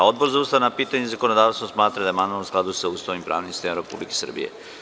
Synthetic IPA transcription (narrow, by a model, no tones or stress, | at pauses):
o̞d̪̚bo̞ɾzaust̪aʋnapiːt̪aɲezakonod̪aːʋst̪osmaːt̪ɾad̪amanoomsklˠad̪usaust̪animpɾa̰ːʋnimst̪emaɾe̞pṵblikesɨr̩bḭjḛ